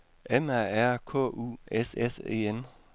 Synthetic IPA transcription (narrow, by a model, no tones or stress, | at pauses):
ʔemæɐ̰æɐ̰kʰɔ̰̽ːṵːesese̝̰ːen